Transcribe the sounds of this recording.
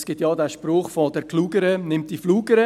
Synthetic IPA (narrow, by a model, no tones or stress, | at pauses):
sɡ̥ɪtjɑːdæːʃpɾʊːχfɔdɛɾkluːɡəɾənɪmt̚d̥ifluːɡəɾə